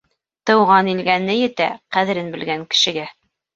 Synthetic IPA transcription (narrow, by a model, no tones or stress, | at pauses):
t̪ɤ̆wʁɑnilɡænːɘjɘ̆t̪æ̰qæðɘ̆ɾɘnbɘ̆lɡæŋkɘ̥̆ʃɘ̆ɡæ